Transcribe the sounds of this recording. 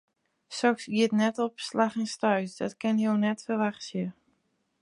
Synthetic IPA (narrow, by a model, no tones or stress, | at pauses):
sɔksiətnɛtɔpslaxɪnstœɥsdɔtkɪnjownɛtfərʋaxsjə